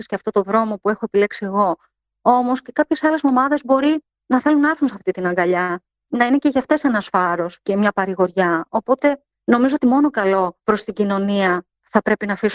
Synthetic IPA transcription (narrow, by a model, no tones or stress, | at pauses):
isceɐft̪o̞t̪o̞ðɾo̞mo̞pue̞xo̞epile̞ksieɣo̞ | o̞mo̞sce̞kɐpçe̞sɐle̞zmo̞mɐðe̞zbo̞ɾi | nɐθe̞lunːɐɐɾθunseɐft̪it̪inɐŋɡɐʎɐ | nɐine̞ce̞ʝɐft̪e̞se̞nɐsfɐɾo̞sce̞mɲɐpɐɾiɣoɾʝɐopo̞t̪e̞ | no̞mizoot̪imo̞no̞kɐlo̞pɾo̞st̪iɟino̞niɐ | θɐpɾe̞pinɐfis